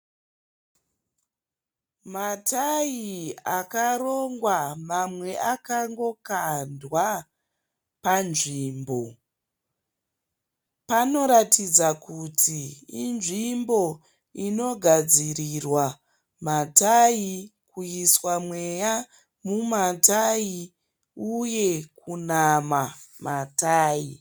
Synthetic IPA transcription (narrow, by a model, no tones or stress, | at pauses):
matʰajiakaro̞ŋɡwamamwe̞ʔakaŋɡo̞kandwa | panʐiːmbo̞ | pano̞ɾatid͡zakutʰiːnʐimbo̞ | ino̞ɡʱad͡zirirwa | matajikujiswamwe̞ja | mumatai | uje̞kunamamataːi